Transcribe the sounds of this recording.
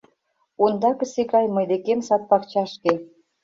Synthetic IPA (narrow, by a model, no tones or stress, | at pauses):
und̪ɑkɤ̆sikɑjmɤjd̪ekemsɑt̪̚pɑkt͡ɕɑʃke